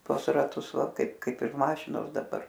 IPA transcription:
ˈtuɔs rɐˈtʊs ˈʋɐ ˈkɐɪp ˈkɐɪp ɪr ˈmɑːʃʲɪnoːs dɐˈbɐr

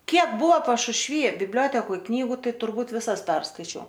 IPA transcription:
ˈkʲiɛk ˈbʊʋoː pɐʃʊʃʲˈʋʲiː bʲɪbʲˈlʲoːtʲɛkoːj ˈknʲiːɡʊ ˈtɐɪ tʊrˈbuːt ʋʲɪˈsɐs ˈpʲɛrskɐɪt͡ʃʲɛʊ

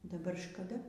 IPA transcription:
dɐˈbɐr ʃkɐˈdɐ

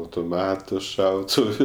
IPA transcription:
ɐʊtoːˈmɑːtʊ ˈʃɐʊtʊʋʊ

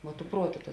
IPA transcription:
ʋuɔ tʊ ˈpruɔˌtʊ tɐ

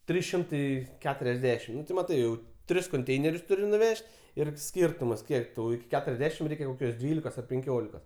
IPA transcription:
ˈtʲrʲiːs ˈʃʲɪmtɐɪ kʲɛtʊrʲɛzʲˈdʲæːʃʲɪm ˈnʊ tʲɪ mɐˈtɐɪ jɛʊ ˈtʲrʲɪs koːnʲˈtʲɛɪnʲɛrʲʊs ˈtʊrʲɪ nʊˈʋʲɛʃʲtʲ ɪr ˈsʲkʲiːrtʊmɐs ˈkʲiɛk tɐʊ ɪkʲɪ ˈkʲæːtʊrʲɛzʲˌdʲæːʃʲɪm ˈrʲɛɪkʲɛ koːˈkʲoːs ˈdʲʋʲiːlʲɪkoːs ɐr pʲɛŋʲˈkʲoːlʲɪkoːs

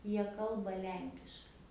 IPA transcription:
ˈjiɛ ˈkɐlˠbɐ ˈlʲɛŋʲkʲɪʃkɐɪ

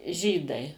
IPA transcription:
ˈʒʲiːdɐɪ

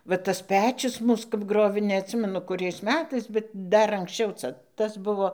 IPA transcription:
ʋɐ ˈtɐs ˈpʲæːt͡ʃʲʊs ˈmuːs kɐp ˈɡroːʋʲeː nʲɛɐtʲˈsʲɪmʲɛnʊ kʊˈrʲɛɪs ˈmʲæːtɐɪs bʲɛt ˈdɐr ɐŋksʲˈt͡ʃʲɛʊ ˈt͡sɐ ˈtɐs ˈbʊʋoː

